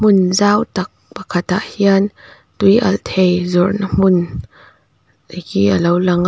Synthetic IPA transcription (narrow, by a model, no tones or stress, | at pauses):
mʊnzaːwt̪ak̚pəkʰɐt̪aʔhian | t̪ujʔɐ̰lt̪ʰejzɔrnam̥ʊn | ikiʔəlowlɐŋ